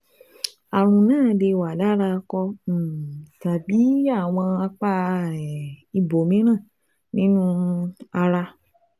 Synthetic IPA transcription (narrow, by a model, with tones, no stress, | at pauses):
a˨ɾ̃ũ˧nãː˦˨de˧wa˨la˨˦ɾa˧kɔ̃˧˨ta˨bi˨˦a˦˨w̃ɔ̃˧a˧k͡pa˧˨ɾɛ˨i˧bo˨mĩ˨˦ɾ̃ã˦˨ | nĩ˦nũ˦a˧ɾa˧